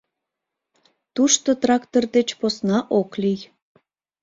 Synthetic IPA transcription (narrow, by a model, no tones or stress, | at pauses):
t̪uʃt̪ot̪rɑkt̪ord̪et͡ɕposnɑʔoklij